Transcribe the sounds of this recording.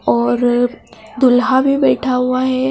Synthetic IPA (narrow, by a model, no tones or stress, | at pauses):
ɔːɾ | d̪ʊlɦabʱibɛːʈʰaɦʊaɦɛ